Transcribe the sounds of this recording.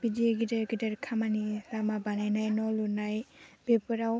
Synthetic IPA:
b̥idieɡidaɾɡidaɾkʰamanilamabanajnajnɔlunajb̥ebɔɾaw

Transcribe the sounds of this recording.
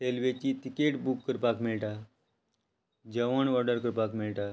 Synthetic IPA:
selʋet͡ɕit̪ikeʈbukːəɾpakmiɭʈa | d͡ʑəʋəɳʋɔɾɖəɾkəɾpakmiɭʈa

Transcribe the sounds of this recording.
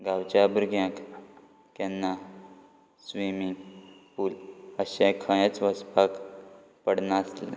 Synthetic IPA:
ɡawt͡ɕabɾuɡʱjãk | kɛnːa | sʋimiŋɡpuːləɕãkʰəãt͡sʋəspak | pəɽnasle

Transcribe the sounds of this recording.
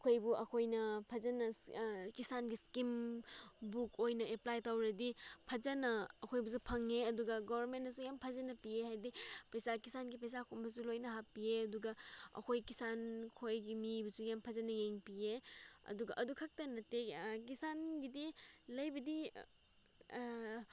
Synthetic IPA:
ɐkʰojbuʔɐkʰojnɐpʰɐzɐnɐkisanɡiskim | bukojnɐeplajtawɾɐdipʰɐzɐnɐːkʰojbus̬upʰɐŋːeɐduɡɐɡobʱɐɾmentɐsujampʰɐzɐnɐpiehajdipɐjsakisanɡip̬ɐjs̬akʰombɐs̬ulojnɐɦapieɐduɡɐɐ̰kʰojkisankʰojɡimibɐsujampʰɐzɐnɐŋeŋpieɐ̰duɡɐʔɐdukʰɐk̚tɐnɐtek̬isanɡidilɐjbɐdi

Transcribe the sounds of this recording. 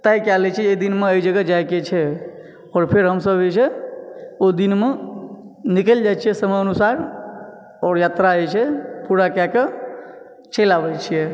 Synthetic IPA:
t̪ajkɛlɛt͡ʃʰɛed̪inmeəjd͡ʒəɡad͡ʒajket͡ʃʰɛ | ɔːɾpʰeɾɦəmsəbet͡ʃʰɛ | od̪inme | nikəld͡ʒajt͡ʃʰijɛsəməjənusaɾ | ɔːɾjat̪ɾaət͡ʃʰɛpuɾakake | t͡ʃelabɛt͡ʃʰijɛ

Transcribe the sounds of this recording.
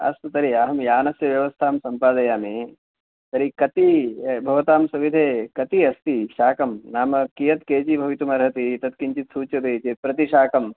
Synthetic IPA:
ɐ̰st̪ɐt̪ɐɾiaːɦɐmjaːnɐsjɐʋjɐʋɐst̪ʰaːmsɐmpaːd̪ɐjaːmi | t̪ɐɾikɐt̪ibʱɐʋɐt̪aːmsɐʋid̪ʱeːkɐt̪iɐst̪iʃaːkɐmnaːmɐkijɐt̪keːt͡ʃibʱɐʋit̪umɐɾɦɐt̪it̪ɐt̪kiɲt͡ʃit̪suːt͡ʃɐt̪eːt͡ʃepɾɐt̪iʃaːkɐm

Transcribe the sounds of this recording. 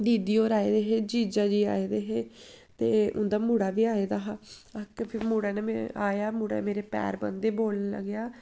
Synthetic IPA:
d̪iːd̪iːoːɾaːeːd̪eːɦeːd͡ʒiːd͡ʒaːd͡ʒiːa̰ːeːd̪eːɦeːt̪eːʔʊ̰nd̪aːmuːɽaːʋiːaːeːd̪aːɦaakəpʰɪmuːɽaːneːmeaːjaːmuːɽa̰meːɾeːpɛ̰ːɾbə̰nd̪eːboːlnlə̰ɡjaː

